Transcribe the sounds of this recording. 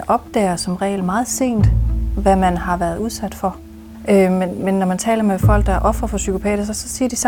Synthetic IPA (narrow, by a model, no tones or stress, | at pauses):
ʔɒ̽b̥̚d̥ɛ̰ːɐsɒ̽mʁɛ̰ːl̩mɑ̈ːð̩ˠse̝̰ːnd̥ʋæmænhɑ̈ʋæːɐð̞ˠuð̞ˠsæd̥fɒ̽ | ømenmenːɒmænt͡sʰɛ̰ːlɐmefɒ̽l̰ɡ̥̚d̥ɑ̈ʔɒ̽fʁɐfɒ̽sykʰo̝pʰɛ̰ːd̥ɐsɒsɒ̽siːɐd̥is